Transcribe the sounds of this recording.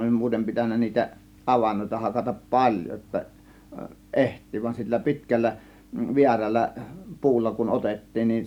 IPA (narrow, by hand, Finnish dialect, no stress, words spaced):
olʲ muːtem pitænːæ niːtæ ʔɑʋɑnːoˑitɑ hɑkɑtɑp pɑlʲjo jotːɑ ʔehtˑiː ʋɑin silːæ pi̞tkælːæ ʋiærælˑæ pu̞ulːɑ kun ʔotetːiːn ni